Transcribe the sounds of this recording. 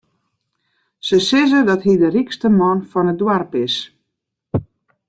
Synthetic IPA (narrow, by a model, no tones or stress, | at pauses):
səsɪzədɔtɦidərikstəmɔnfɔnət̚dwarpɪs